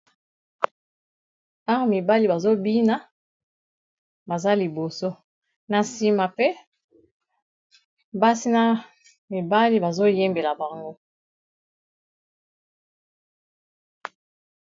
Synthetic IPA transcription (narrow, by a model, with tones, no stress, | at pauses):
a˦wa˨mi˨ba˦li˨ba˨zo˦bi˦na˦ | ba˨za˦li˨bo˨so˦ | na˨si˦ma˨pe˦ | ba˦si˦na˦ | mi˨ba˦li˦ba˨zo˦je˦mbe˨la˨ba˨ŋɡo˦